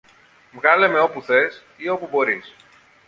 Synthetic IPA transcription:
vɣɐle̞me̞o̞puθe̞s | io̞pubo̞ɾis

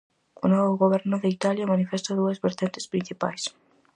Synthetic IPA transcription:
ʊnoβʊɣoβ̞ɛɾnʊðeit̪aljamanifest̪aðuɐzβeɾt̪ent̪e̥spɾin̟θipa̰js

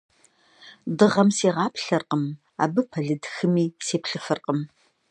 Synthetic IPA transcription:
dɨʁɐmseːʁɑːpɬɐrqəm | a̰ːbɨpʰɐɮɨdxɨmiːseːpɬɨfɨrqəm

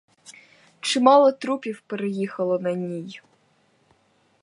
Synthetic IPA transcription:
t͡ʃɪmɑlˠɔt̪ɾupʲiwpeɾejixɐlˠɔnɐnʲij

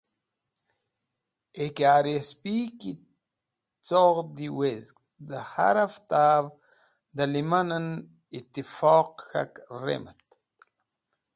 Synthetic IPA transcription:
ekaːɾispiki | t͡soʁd̪iwezk | d̪əha̰ɾaft̪av | d̪alimanən | it̪ifoːqxa̰krḛmət̪

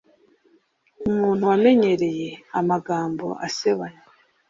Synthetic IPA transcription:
umuːn̥huwame̞ɲe̞ɾe̞je̞amaɡaːmbo̞̰ʔa̰seβaɲa

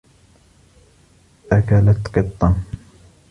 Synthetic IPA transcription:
ʔakalat̪qɨt̪ˤːɑ

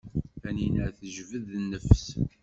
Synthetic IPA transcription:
æninəʕθəʒvəðnːəfs

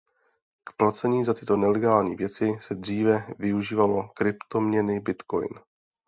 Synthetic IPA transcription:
kplat͡sɛɲiːzat̪ɪt̪o̞nɛlɛɡaːlɲḭːvjɛt͡sɪsɛd̪r̝iːvɛvɪuʒiːvalo̞kɾɪpt̪o̞mɲɛnɪbɪt̪ko̞̰jn

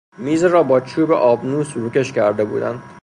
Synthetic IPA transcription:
miːzɾɒːbɒːt͡ʃʰuːbḛʔɒːbnuːsɾuːkʲe̞ʃcʰæɾd̪e̞bṵːd̪æ̰nd̪̥

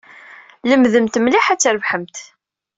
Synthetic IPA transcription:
ləmðəmt̪mliħæt͡sːɾəvħəmt̪

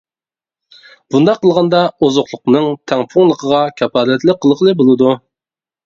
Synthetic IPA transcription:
b̥und̪ɑqʰːəlˠʁɑnd̪ɑozʊqlˠʊqnɨŋt̪ʰɛŋpʰʊŋlˠəqʰəʁɑkʲʰɛpɑːlɛt̪lɪqʰːəlˠəqlˠɨbolˠɨd̪u

